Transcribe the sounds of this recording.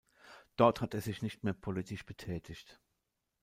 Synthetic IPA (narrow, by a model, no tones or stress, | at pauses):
d̥ɔɐthateːɐzɪçnɪçtmeːɐpʰolitɪʃb̥ətʰɛːtʰɪçt